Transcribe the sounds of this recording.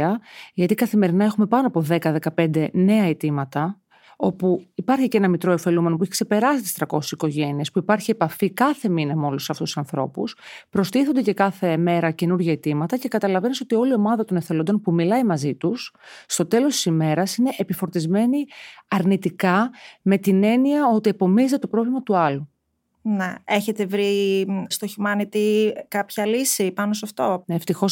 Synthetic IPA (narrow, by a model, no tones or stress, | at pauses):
ɐʝɐt̪ikɐθime̞ɾinɐe̞xume̞pɐno̞ɐpo̞ðe̞kɐðe̞kɐpe̞nd̪e̞ne̞ɐet̪imɐt̪ɐ | o̞puipɐɾçicenɐmit̪ɾo̞efe̞lume̞nopueçi̥kse̞pe̞ɾɐsit̪ist̪ɾɐko̞si̥siko̞ʝe̞niespuipɐɾçie̞pɐfikɐθe̞minɐmo̞luseɐft̪ususɐnθɾo̞̰puspɾo̞st̪iθond̪ece̞kɐθe̞me̞ɾɐce̞nuɾʝɐet̪imɐt̪ɐce̞kɐt̪ɐlɐveneso̞t̪io̞lio̞mɐðɐt̪o̞nefθelo̞nd̪o̞npumilɐimɐzit̪usːt̪o̞t̪e̞lo̞st̪isime̞ɾɐsine̞ʔepifo̞ɾt̪izme̞niɐɾnit̪ikɐme̞t̪ine̞niɐo̞t̪iepo̞mizt̪et̪o̞pɾo̞vlimɐt̪uɐlu | neeçet̪e̞vɾist̪oçimɐnit̪ikɐpçɐlisipɐnosɐft̪o̞eft̪ixo̞s